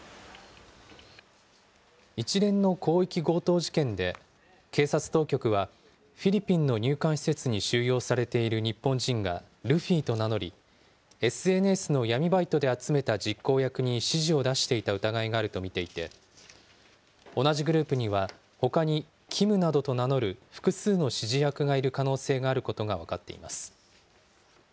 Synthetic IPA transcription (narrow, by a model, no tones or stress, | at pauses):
it͡ɕiɾẽ̞nːo̞kʰo̞ːikʲiɡo̞ːt̪o̞ːʑi̥kẽ̞nd̪e̞ | ke̞ːsat͡sɨ̥t̪o̞ːkʲo̞kɯ̟βa | ɸʲiɾʲipʲĩnːo̞ɲ̟ɨːkãɰ̃ɕi̥se̞t͡sɨɲ̟iɕɨːjo̞ːsaɾe̞t̪e̞iɾɯ̟ɲ̟ipːõ̞ɲd͡ʑĩŋɡa̰ | ɾɯ̟ɸʲiːt̪o̞nano̞ɾʲi | e̞sɨe̞nesɨno̞jamʲibait̪o̞d̪e̞at͡sɨme̞t̪ad͡ʑikːo̞ːjakɯ̟ɲ̟iɕiʑio̞d̪aɕi̥t̪e̞it̪aɯ̟t̪aɡaiɡaːɾɯ̟t̪o̞mʲit̪e̞it̪e̞̰ | o̞naʑiɡɯ̟ɾɯ̟ːpɯ̟ɲ̟iβ̞a | ho̞kaɲ̟i | kʲʰimɯ̟nad̪ot̪o̞nano̞ɾɯ̟ɸɯ̟̥kɯ̟sɨːno̞ɕiʑijakɯ̟ɡaiɾɯ̟kano̞ːse̞ːɡaːɾɯ̟ko̞t̪o̞ɡaβakat̪ːe̞̰ḭmasɨ̥